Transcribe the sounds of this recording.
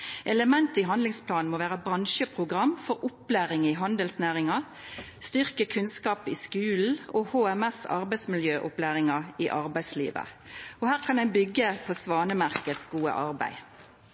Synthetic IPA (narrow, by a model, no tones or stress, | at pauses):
ʔɛləmɛnt̪əiːɦɑnd̪lɪŋspʰlɑːnn̩moːʋæːʁəbʁɑnʃəpʰʁʊɡʁɑmːfɔʁʊplæːʁɪŋɪɦɑnd̪əlsnæːʁɪŋɑ | st̪ʏʁkəkʰʉnskɑːpɪskʉːln̩ɔhoːɛmɛsɑ̰ʁbæɪsmɪljøːʔʊplæːʁɪŋɑiʔɑʁbæɪslḭːʋə̰ | ɔhæːʁkʰɑnɛɪnbʏɡəpʰosʋɑːnəmæʁkət̪sɡuːə̰ʔɑʁbæ̰ɪ